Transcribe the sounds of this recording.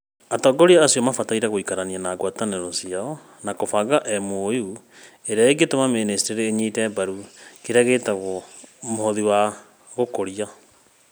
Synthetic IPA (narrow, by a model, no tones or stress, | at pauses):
atɔːɡɔɾiaːsiɔmafataiɾaɣoikaɾanianaːɡwataneɾɔsiaɔ | nakofaɣaʔɛmoju | eɾeaeɡetomamenesteɾeːɲiːtɛːbaɾukeɾaɣeːtaɣomohɔðiwa | ɣokoɾia